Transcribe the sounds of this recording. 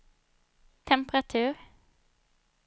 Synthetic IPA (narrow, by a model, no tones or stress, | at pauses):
t̪ʰɛmpɾat̪ʰʉːɾ